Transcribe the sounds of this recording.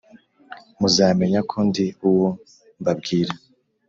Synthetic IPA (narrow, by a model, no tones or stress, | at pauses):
muzaːme̞ɲakʰondiuwo | mbabɡiːɾa